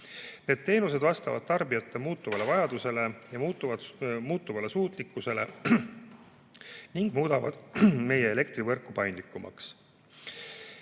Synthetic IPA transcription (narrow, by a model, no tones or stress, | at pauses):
ne̞d̪̥̚t̪ːe̞ːnuse̞d̪vɑst̪ɑvɑ̰d̪̥̚t̪ɑrbijɑt̪ˑːe̞muːt̪ːˑuvɑle̞vɑjɑd̪̥use̞le̞jɑmut̪ːˑuvɑd̪muːt̪ːˑuvɑlesuːt̪ˑlikːˑuse̞le̞ | niŋɡ̥muːd̪ɑvɑ̰d̪̥me̞je̞ele̞kt̪rivɤ̞rkːˑupɑjnd̪likːˑumʔɑ̰ks